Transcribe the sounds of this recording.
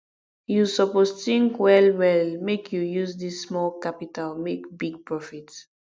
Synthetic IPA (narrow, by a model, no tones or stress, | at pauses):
jusɔposθĩŋkwɛlwɛlmekʰjujuzdismɔlkapitalmekbiɡ̚pɹɔfit